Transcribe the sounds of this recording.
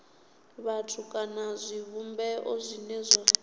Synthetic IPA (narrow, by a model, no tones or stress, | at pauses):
βatʰukʼanazʷiβumbɛʔozʷinɛzʷa